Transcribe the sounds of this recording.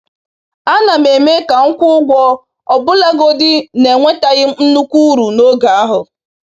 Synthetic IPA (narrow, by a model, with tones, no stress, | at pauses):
a˦na˨me˨me˦ka˨ŋ̩˦kʷʊ˦ɡʷɔ˦ | ɔ˨bʊ˦la˦ɡo˦dɪ˦ne˨ŋʷe˦ta˨ɣɪ˦n̩˦nu˦kʷu˦ɾu˨no˦ɡa˨a˦ɦʊ˨